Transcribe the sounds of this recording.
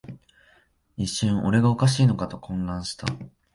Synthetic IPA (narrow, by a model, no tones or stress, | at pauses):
iɕõɰ̃ʔo̞ɾe̞ɡaokaɕ̬iːno̞kat̪o̞kʰõ̞nɡ̪ãɰ̃ɕi̥t̪a̰